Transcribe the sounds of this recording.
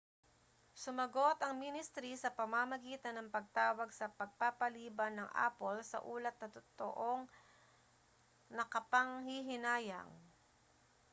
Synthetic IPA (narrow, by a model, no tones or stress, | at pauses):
sʊmɐɡo̞t̪ɐŋminɪst̪ɾisɐpɐmamɐɡiːt̪ɐnːɐŋpɐɡ̚t̪aːwɐɡsɐpɐɡ̚papɐliːbɐnːɐŋʔa̰ːpolsɐ̰ʔuːlɐt̪̚nɐt̪ʊt̪o̰ʔoŋ | nɐkɐpɐŋhiɦɪnaːjɐ̰ŋ